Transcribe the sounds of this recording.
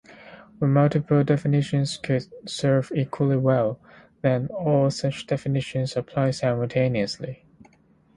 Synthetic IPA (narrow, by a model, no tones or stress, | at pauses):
ðəmʌlˠtɨpʰəl̩ˠdɛfɨnɪʃɨ̃nz̥kʰɨdsɜ˞vikʰwəlˠiwɛlˠ | ðɨ̃nɔlˠsʌt͡ʃd̥ɛfɨnɪʃɨ̃nzəpʰl̥aɪsaɪməl̩ˠtʰẽɪ̃niɨsli